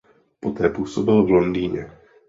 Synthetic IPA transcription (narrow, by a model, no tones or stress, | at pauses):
pɔt̪ɾɛpuɔsɔbilvlɔnd̪iːɲɛ